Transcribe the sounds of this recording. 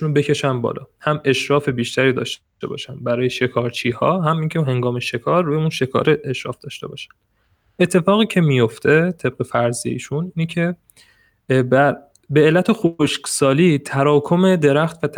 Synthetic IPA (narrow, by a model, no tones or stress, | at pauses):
unbecʰe̞ʃænbɒ̰ːlɒ̰ːhæme̞ʃɾɒːfe̞biːʃt̪ʰæɾiːd̪ɒ̰ːʃ | e̞̰bɒ̰ːʃænbæɾɒːjeʃe̞kʰɒːɾt͡ʃʰiːhɒːɦæmiːŋcʰeɦe̞ŋɡɒːme̞ʃe̞kʰɒːɾːujeunʃe̞kʰɒ̰ːɾʔeeʃɾɒ̰ːfd̪̥ɒːʃt̪e̞bɒ̰ːʃæ̥nd̪̥ | et̪ʰːe̞fɒːɣiːcʰe̞mijo̞ft̪ʰe̞t̪ʰe̞b̥̚ɢe̞fæɾziḛḭːʃuniːnecʰe | bæ | be̞ːlːæt̪ʰexoʃksɒːliːt̪ʰæɾɒːkʰo̞me̞d̪e̞ɾæxt̪væt̪ʰ